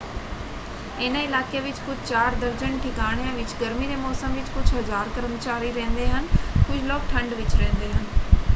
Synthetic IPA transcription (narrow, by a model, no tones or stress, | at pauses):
enə̃ɪlaːkeʋɪt͡ʃkʊd͡ʒʱt͡ʃaːɾd̪əɾd͡ʒənʈʰɪkaːɽ̃ijãʋɪt͡ʃɡəɾmiɾeːmɔːsəmʋɪt͡ʃkʊd͡ʒʱɦɐzaːɾkəɾmət͡ʃaːɾiɾɛ̃ːnd̪eɦənkʊd͡ʒʱlɔːk̚ʈʰɐ̃ɳɖʋɪt͡ʃɾɛ̃ːnd̪eɦən